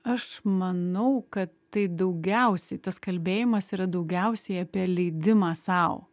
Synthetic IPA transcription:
ɐʃmɐnɐʊkɐt̪ːɐɪd̪ɐʊɡʲɛʊsʲɛɪt̪ɐskɐlʲbʲeːjɪmɐsiːɾɐd̪ɐʊɡʲɛʊsʲɛɪɐpʲiɛlʲɛɪd̪ʲɪmɑːsɑˑʊ

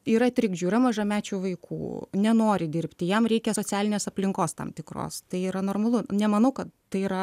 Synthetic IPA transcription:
iːɾɐt̪ʲɾʲɪɡʒʲuːɪɾɐmɐʒɐmʲæːt͡ʃʲuːʋɐɪkʰṵːnʲɛnoːɾʲɪd̪ʲɪɾʲpʲt̪ʲɪjɛmɾʲɛɪkʲɛsoːt͡sʲæːlʲɪnʲeːsɐpʲlʲɪŋkoːst̪ɐ̰mt̪ʲɪkro̰ːst̪ɐɪiːɾɐnoːrmɐlˠʊnʲɛmɐnɐʊkɐt̪t̪ɐɪiɾɐ

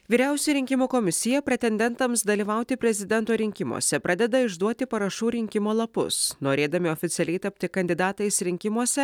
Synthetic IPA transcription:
ʋʲiːɾʲæˑʊsʲuɾʲɪŋʲkʲɪmuːkomʲɪsʲɪjɛpʲɾʲɛt̪ʲɛnʲd̪ʲɛnt̪ɐmsd̪ɐlʲiːʋɐʊt̪ʲɪpʲɾʲɛzʲɪd̪ʲɛnt̪oːɾʲɪŋʲkʲɪmṵɔsʲɛpɾʔɑːd̪ʲɛd̪ɐɪʒd̪uɔt̪ʲɪpɐɾɐʃuːɾʲɪŋʲkʲɪmoːlˠɐpʊ̰snoːɾʲeːd̪ɐmʲɪoːfʲɪt̪sʲɛlʲɛɪt̪ɐpʲt̪ʲɪkɐnʲd̪ʲɪd̪ɑːt̪ɐɪsɾʲɪŋʲkʲɪmuɔsʲɛ

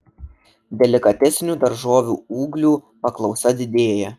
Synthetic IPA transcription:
d̪ʲɛlʲɪkɐt̪ʲɛsʲnʲuːd̪ɐɾʒoːʋʲṵːuːɡlʲuːpɐklˠɒʊsɐd̪ʲɪd̪ʲeːjɛ

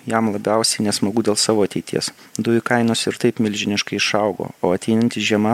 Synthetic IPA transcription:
jɛmlˠɐbʲɛʊsʲɛɪnʲɛsmɐɡuːd̪ʲeːlˠsɑːʋoːɐt̪ʲɛɪt̪ʲḭɛsd̪ʊjʊkɐɪnoːsɪɾt̪ɐɪpmʲɪlʲʒʲɪnʲɪʃkɐɪɪʃɐʊɡo̰ːoːɐt̪ʲɛɪnɐnʲt̪ʲɪʒʲiɛmɐ

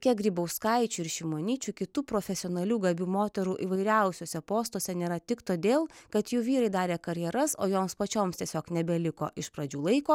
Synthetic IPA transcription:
kʲiɛɡɾʲiːbɐʊskɐɪt͡ʃʲuːɪɾʃʲɪmoːnʲiːt͡ʃʲukʲɪt̪uːpɾoːfʲɛsʲɪoːnɐlʲuːɡɐbʲuːmoːt̪ʲɛɾuːʔiːʋɐɪɾʲɛˑʊsʲoːsʲɛpoːst̪oːsʲɛnʲeːɾɐt̪ʲɪkt̪oːd̪ʲeːlˠkɐt̪juːʋʲiːɾɐɪd̪ɑːɾʲeːkɐɾʲjɛɾɐsoːjoːmspɐt͡ʃʲoːmst̪ʲiɛsʲoːknʲɛbʲɛlʲɪko̰ːʔɪʃpɾɐd͡ʒʲuːlˠɐɪkoː

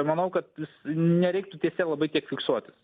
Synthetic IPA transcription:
mɐnɐʊkɐt̪ʋʲɪsnʲɛɾʲɛɪk̚t̪ʊt̪ʲiɛsʲeːlˠɐbɐɪt̪ʲiɛkfʲɪksuɔt̪ʲɪs

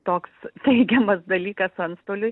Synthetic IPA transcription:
t̪oːkst̪ʲɛɪɡʲɛmɐsd̪ɐlʲiːkɐsɐnst̪oːlʲʊ

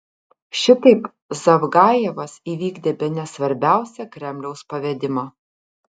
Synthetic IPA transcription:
ʃʲɪt̪ɐɪp | zɐʋɡɑːjɛʋɐsiːʋʲiːɡd̪ʲeːbʲɛnʲɛsʋɐɾʲbʲæˑʊsʲɛkɾʲɛmʲlʲɛʊspɐʋʲɛd̪ʲɪmɑː

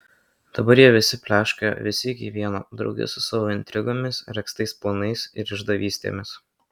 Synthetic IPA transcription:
d̪̥ɐbɐɾjiɛʋʲɪsʲɪpʲlʲæːʃʲkojɛ̰ʋʲɪsʲɪɪkʲiʋʲiɛno̰d̪ɾɒ̰ʊɡʲɛ̰sʊsɑːʋoːɪnʲt̪ʲɾʲɪɡoːmʲɪsɾʲɛkst̪ɐɪspɔnɐɪsɪ̰ɾɪʒd̪ɐʋʲiːsʲt̪ʲḛːmʲɪs

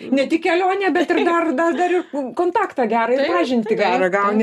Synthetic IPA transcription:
nʲɛt̪ʲɪkʲɛlʲoːnʲɛːbʲɛt̪ɪrd̪ɐrd̪ɐd̪ɐɾɪrkoːnt̪ɑːkt̪ɑːɡʲæːɾɐɪɑːʒʲɪnʲt̪ʲɪɡʲæːɾɐɡɐʊnʲ

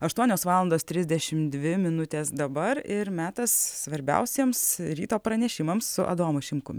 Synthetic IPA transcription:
ɐʃt̪uɔnʲoːsʋɑːlˠɐnd̪oːst̪ʲɾʲɪzʲd̪ʲɛʃʲɪmd̪ʲʋʲɪmʲɪnʊt̪ʲeːsd̪ɐbɐɾɪɾmʲæːt̪ɐssʋɐɾʲbʲɛ̰ʊsʲiɛmsɾʲḭːt̪oːpɾɐnʲɛʃʲɪmɐmssʊʔɐ̰d̪oːmʊʃʲɪmkʊmʲɪ

